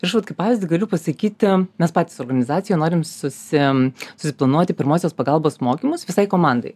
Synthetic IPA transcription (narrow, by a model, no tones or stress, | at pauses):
ɪɾɐʃʋɐt̪kɐɪpːɑːʋʲɪːzʲdʲɪɡɐlʲʊpɐsɐkʲiːt̪ʲmʲɛspɑːt̪ʲiːsoːɾɡɐnʲɪzɑːt̪ʲɪjɛːnoːɾʲɪmsʊsʲɪsʊ̥sʲɪplˠɐnuɔt̪ʲɪpʲɪɾmoːsʲoːspɐɡɐlˠboːsmoːkʲimʊsʋʲɪsɐɪkoːmɑˑnd̪ɐ̰ɪ